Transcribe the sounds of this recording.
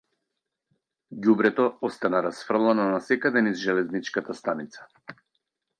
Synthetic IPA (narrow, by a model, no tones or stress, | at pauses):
ɟubɾɛt̪ɔɔst̪anaɾasfr̩lˠanɔnasɛkad̪ɛnizʒɛlɛznit͡ʃkat̪ast̪anit̪sḁ